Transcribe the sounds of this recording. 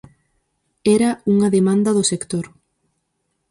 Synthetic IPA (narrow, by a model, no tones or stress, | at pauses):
ɛɾɐuŋɐðemãnd̪ɐðʊsekt̪oɾ